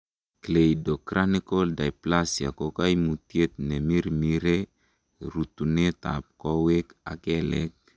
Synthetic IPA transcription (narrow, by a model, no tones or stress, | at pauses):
klejdokɾʔanikoldajplasiakokajmutjet̪̚nemiɾmiɾe | ɾutuneta̰p̚koweka̰kelek̚